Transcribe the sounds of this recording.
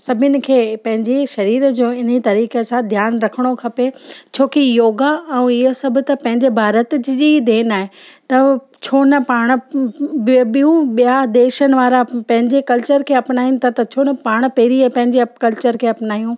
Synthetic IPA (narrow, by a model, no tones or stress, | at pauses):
sɐbʱɪnɪ̆kʰeːpɐ̃ɦɪ̃ɲd͡ʑeʃɐɾiːɾəd͡ʑõːɪn̤it̪ɐɾiːkesãd̪ʱjaːnɾɐkʰəɽ̃okʰɐpet͡ɕʰoːkijoːɡaɛ̃ɪɦosɐbʱʊ̆t̪ɐpɐ̃ɦɪ̃ɲd͡ʑebʱaːɾət̪d͡ʑɪd͡ʑid̪eːnaːɦet̪ɐ | t͡ɕʰoːnɐpaːɽ̃ | ɓijũɓijad̪eːʃənɪ̆ʋaːɾapɐ̃ɦɪ̃ɲd͡ʑekɐlt͡ɕəɾkʰeːɐpnaːijñt̪ʰɐt̪ɐt͡ɕʰoːnɐpaːɽ̃peːɾiapɐ̃ɦɪ̃ɲd͡ʑekɐlt͡ɕəɾkʰeːɐpnaːijũ